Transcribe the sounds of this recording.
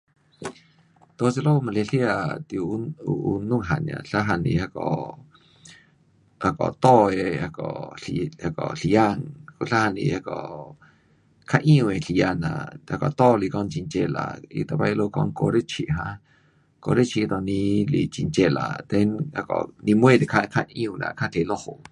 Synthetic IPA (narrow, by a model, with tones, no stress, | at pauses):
t̪o˧t͡se˧lo˦˧mã˧le˧ɬja˧˨t̪ju˧˦u˧u˧nũ˦˨ɦa˨nã̰˨ɬa˦ɦa˧nĩ˧˨a˧kɔ˧ | a˧kɔ̰˨t̪o˦˧e˧a˧kɔ˨a˧kɔ˨ɬja˦˧ŋku˧ɬa˦ha˧˨nḭ˧a˧kɔ˨ | kʰa˦ʔũ˧e˨ɬja˧nã̰˨a˧kɔ˨t̪ɔ˦˨li˧˨kɔ˧nt͡ʃi˧˨nt͡ʃe˧la̰˧˨ḭ˧t̪a˧˨ba˧jloː˧kɔ˧˨ŋ˦ko˧˨ɾe˦t͡ʃi˧ʔɦã˧˦ | ko˧ɾe˦t͡ʃi˧ʔd̪o˨nĩ˧li˧˨t͡ʃi˧˨nt͡ʃe˧˨la̰˨t̪e˧na˧kɔ̰˨nĩ˧mwẽ˦˨d̪i˨kʰa˧kʰa˦ʔũ˧˨nã̰˧˨kʰa˦lʲe˧˨lo˦ho˨